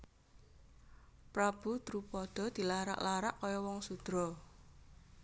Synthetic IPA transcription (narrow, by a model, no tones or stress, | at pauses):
pɾab̥ṳt̪ɾupɔd̪̥ɔ̤d̪̥i̤laɾa̰ʔlaɾaʔkɔjɔwɔŋsud̪̥ɾɔ